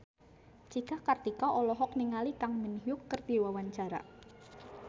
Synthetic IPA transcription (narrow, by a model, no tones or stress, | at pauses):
t͡ʃikakard̪ikɔʔɔlɔɦɔk̚niŋalikaŋmənɦjʊkːərd̪̥iwawaɲt͡ʃaɾa̰